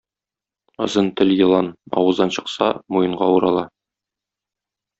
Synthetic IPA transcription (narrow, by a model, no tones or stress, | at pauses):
ɤ̰̆zɤnt̪ɘljɤ̆lˠɑnɒ̰wɤ̆zd̪ɑnɕɤ̆qsɑ̰mujɤ̆ɴɢɑuɾɑlˠɑ